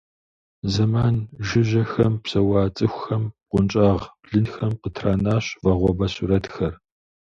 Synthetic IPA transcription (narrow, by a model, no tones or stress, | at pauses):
zɐmaːnʒɪʑɐxɐmpsɐwɑːt͡sʼɨxʷxɐm̚qʷʊnt͡ʃʼaːʁb̥ɮɨnxɐmqətʰraːnaːɕvɐʁʷɔbɐsuɾɐtxɐr